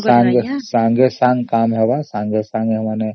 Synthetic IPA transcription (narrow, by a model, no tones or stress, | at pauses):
sãːŋɡsãːŋɡesãːŋɡkaːmɦɛbasãːŋɡesãːŋɡɦɛmane